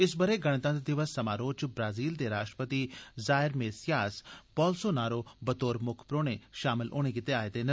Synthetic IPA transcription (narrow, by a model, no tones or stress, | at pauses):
ɪsbəɾeɡɐɽ̃t̪ãːd̪ed̪ɪʋəsːɐmaːɾoːt͡ʃbɾaːziːld̪eːɾaːʃʈɾəpət̪izaːɪɾmeːsjaːspɔːlsonaːɾoːbət̪oːɾmʊkʰpɾoːɽ̃eʃaːmɪlʔo̰ːɽ̃ek̬ɪt̪eaːet̪eːnə